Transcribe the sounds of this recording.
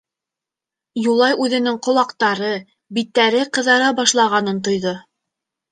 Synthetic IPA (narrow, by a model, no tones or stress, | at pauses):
julˠɑjʉðɘ̆nɘŋqŏlˠɑqt̪ɑɾɤ | bit̪ːæɾɘqɤ̆ðɑɾɑbɑʃlˠɑʁɑnɤnt̪̬ŏjðo